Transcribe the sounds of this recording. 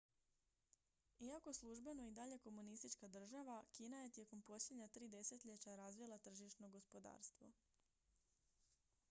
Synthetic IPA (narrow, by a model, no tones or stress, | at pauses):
iako̞eslˠuʒbe̞no̞id̪aʎe̞ko̞munist̪it͡ʃkad̪r̩ʒaʋakiːnaje̞t̪je̞ko̞mpo̞sʎʲed̪ɲat̪ɾiːd̪e̞se̞t̪ʎet͡ɕaɾazʋilˠat̪r̩ʒiʃno̞ɡo̞spo̞d̪a̰ːɾst̪ʋo̞̰